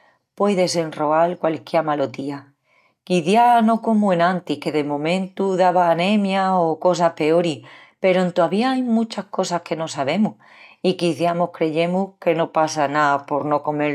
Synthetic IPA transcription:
pwejðe̞se̞nro̞alkwalkjeɾmalot̪ia | kiθjano̞ko̞muenãnt̪ihke̞ðemõ̞mẽnt̪uðaβaːnẽmjaoko̞sahpe̞oɾi | pe̞ɾoent̪oaβiaajmut͡ʃahko̞sahke̞no̞saβe̞muh | ikiθjamo̞hkɾe̞ʝe̞muhke̞no̞pasanapo̞ɾno̞ko̞me

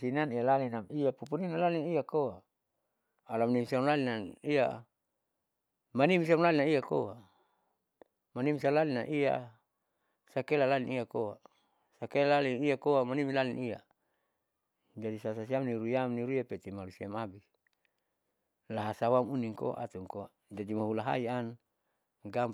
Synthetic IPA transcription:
sinanijalalinamijapupuninalalinijakoa | lamnimsiamlalinaija̰ | manims̬iamlalinaiako̰wa | manimsalalina̰ʔija̰ | sakelalalinijakoa | sakelalalinijakoamanimilalinija̰ | d͡ʒadisasas̬iamniɾujamniɾujapet̪imalusiamabis | laɦasawamuniŋko̰a̰ʔa̰t̪uŋkoa | d͡ʒadimaɦulaɦa̰ian | ɡam

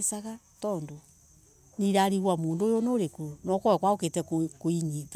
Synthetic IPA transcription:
esaɣa | tɔːndo | niɾaɾiɣwamoːndoːjɔnoɾekunɔkɔɛkwaoketɛkkoiɲiːta

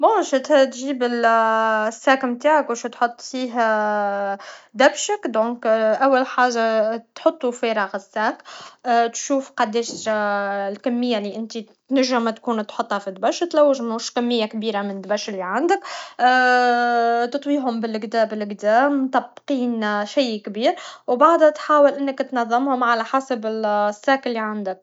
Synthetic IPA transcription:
boʃt̪t̪ʒiːbɪl | sːækmt̪aːʕakwæʃt̪ħot̪ˤːfiːɦæ | d̪æbʃəkd̪õːkʔæwːalħaːʒːat̪ħot̪ˤːufɛɾˤɑɣəsːæːkːt̪ʃuːfqɑd̪ɛːʃ | lkæmːəjːaliʔɪnt̪i | t̪næʒːɪmːæt̪kuːnt̪ħot̪ˤːhɑfid̪bæʃt̪læwːɪʒmnuːʃkæmːɪjːakbiːɾamɪnd̪bæʃɪlːiʕand̪əkː | t̪ɨt̪ˤwiːɦʊmbɪlɪɡd̪æːbɪlɪɡd̪æːmt̪ˤɑbːqiːnʃaːkbiːɾwbaʕd̪hæt̪ħaːwəlʔɪnːəkt̪nɑðˤːɑmhʊmʕalæħasabɪlsːæːkɪlːiʕand̪ɪk̚

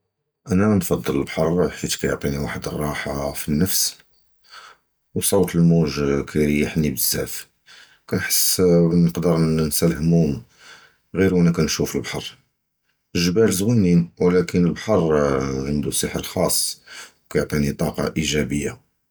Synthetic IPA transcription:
ʔænæmænfɑd̪ˤːələlbħɑrˤħfit̪kæjo̰ʕt̪ˤiniwaħəd̪ərˤːɑħafinːəfs | wsˤowt̪əlmuʒkʰæɾjəħnibəz̥ːæf | kænħə̥sːnəqd̪əɾnsælhmum | ɣiɾwʔænækænʃufəlbħɑɾˤ | ʒbælzwənːinwlækənəlbħɑrˤʕənd̪usəħəɾlxɑsˤːwkæjʊʕt̪ˤinit̪ˤɑqɑ̰ʔiʒæbəjːa

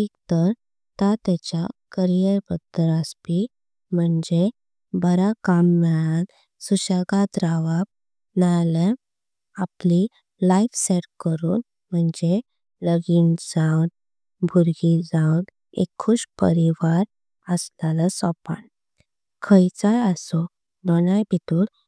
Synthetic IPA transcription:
ikt̪əɾ | t̪at̪at͡ɕjakəɾijəɾpəd̪əɾəspi | m̤əɳd͡ʑe | bəɾakamːɛɭan | suɕaɡat̪ɾaʋap̚ | najlə | apli | laifseɽkəɾuːn | m̤əɳd͡ʑe | ləɡiːnd͡zawn | bʱuɾɡid͡zãwn | ḛkʰːuɕpə̰ɾiʋaɾ | əslalasɔpa̰n | kʰəjt͡sajəsɔ | d̪ɔnajpit̪uːl

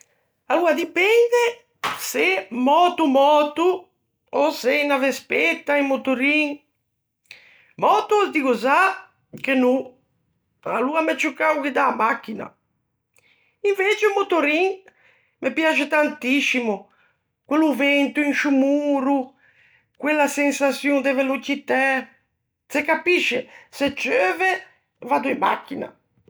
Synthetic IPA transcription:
aluːad̪ipɛnd̪e | semɔːt̪umɔːt̪u | osenavespet̪ːaimːot̪uɾiŋ | mɔt̪uzd̪iɣoza | k̟enu | aluamɛt͡ʃːukːauk̟ɪd̪aːmak̟ːina̰ | iɱvet͡ʃeumot̪oɾiŋ | mepjat͡ʃet̪ant̪iʃːimʊ | kweluvɛnt̪uinʃumuːɾu | kwelːasensasjuŋd̪evelot͡ʃit̪a | sekːapiʃːeset͡ʃøːve | vad̪uimːa̰kːina̰

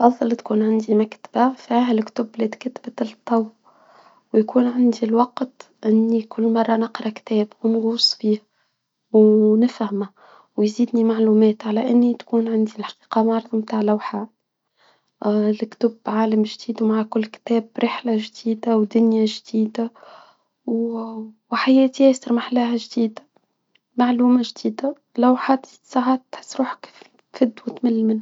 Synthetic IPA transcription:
ʔɑfðˤɑlt̪kuːnʕand̪imakt̪ḁb̥afiɦalkt̪ʊbled̪kat̪bat̪ˤːɑw | wjkuːnʕand̪ilwɑqt̪ | ʔɪnːikʰʊlːmɑrˤːɑnɪqɾˤɑkt̪ɛːbwnɣuːsˤːfiːh | wnɪfhama | wjziːd̪nimaʕluːmɛːt̪ʕalæʔɪnːit̪kuːnʕand̪ilħɑ̥qiːqɑmɑɾˤðˤɑmt̪aːʕlawħaː | lɪkt̪ʊbʕaːlamʒd̪iːd̪wmaʕkʊlːkt̪ɛːbɾɪħlaʒd̪iːd̪awd̪ʊnjaʒd̪̥iːd̪a | w | wħajɛːt̪ihasɑɾmaħlæɦæʒd̪iːd̪a | maʕluːmaʒd̪iːd̪a | lawħat̪zi̥ːd̪saʕaːt̪ħsɾuːħkf | fɪd̪ːwɪt̪mɪlːmɪnh

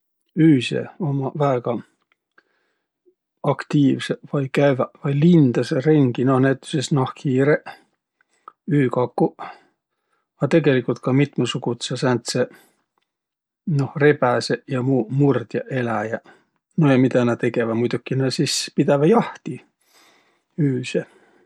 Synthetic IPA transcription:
yːsḛomɑvæeɡ̥ɑ | ɑkt̪iːʋseʋɑikæʋæʋɑilind̪̥ɑseriŋɡ̥inohnæt̪ːy̥sesnɑhkʰiːreʔ | yːkɑkːu | ɑt̪eɡelikːult̪kɑmit̪mɑsukut̪sɑsænt̪se | nohrepæsejɑmuːmurt̪ʲjɑʔelæjæ | nojɑmit̪ænæt̪ekeʋæmujt̪ukːinæsispit̪æʋæjɑht̪i | yːse

